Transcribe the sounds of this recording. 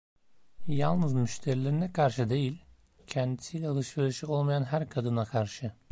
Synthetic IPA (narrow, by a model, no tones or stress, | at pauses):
ja̰lˠnɯzmyʃt̪ʰeɾilʲeɾinɛkʰaɾʃɯd̪e̞jilʲ | cʰɛnd̪i̥sijlʲɛalˠɯʃveɾiʃio̞lˠmajanɦæɾkʰad̪ɯnakʰaɾʃɯ